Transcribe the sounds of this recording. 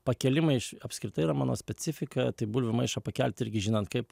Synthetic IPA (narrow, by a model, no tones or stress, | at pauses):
pɐkʲɛlʲɪmɐɪɪʃɐpʲsʲkɾʲɪt̪ɐɪiːɾɐmɑ̰ːno̰ːsʲpʲɛt͡s̪ʲɪfʲɪkɐt̪ɐɪbulʲʋʲɪmɐɪʃɐpɐkʲælʲp̚ʲt̪ɪɾʲɡʲɪʒʲɪnɐnt̪̚kɐɪp